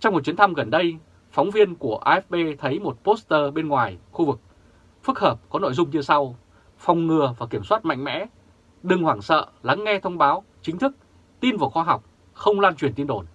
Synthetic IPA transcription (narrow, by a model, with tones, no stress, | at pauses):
t͡ɕɔ˧wŋ͡mmo˨˩t͡ɕi˨˦ənt̪ʰa˧mɣə˨˩nɗə˧j | fɔ˨˦wŋ͡mvi˧ənku˧˩əʔaː˧ʔɛ˦˥f̚ɓe˧t̪ʰə˨˦jmo˨˩t̚po˦˥st̪əː˧ɓe˧nŋwaː˨˩jxu˧vɨ˨˩k̚ | fɨ˦˥k̚həː˨˩p̚kɔ˨˦no̰˧˨jzʊ˧ŋ͡mɲɨ˧sa˧w | fa˨˩wŋ͡mŋɨ˨˩əvaː˨˩ki˧˩əmswaː˦˥t̚ma̰˧˨jŋ̟mɛ̰˧˥ | ɗɨ˨˩ŋhwaː˧˩ŋsə̰ː˧˨la˨˦ŋːɛ˧t̪ʰə˧wŋ͡mɓaː˨˦wt͡ɕï˨˦ŋ̟t̪ʰɨ˦˥k̚ | t̪i˧nvaː˨˩xɔ˧ɦa˨˩wk͡p̚ | xə˧wŋ͡mlaː˧nt͡ɕwi˨˩ənt̪i˧ənɗo˧˩n